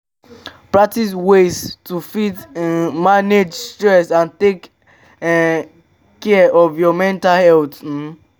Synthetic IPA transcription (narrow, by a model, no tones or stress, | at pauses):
pɹak̚tis̬weztufitmaned͡ʒstɹɛsãntek | kːɛɔvjɔmɛ̃ntalhɛltn̩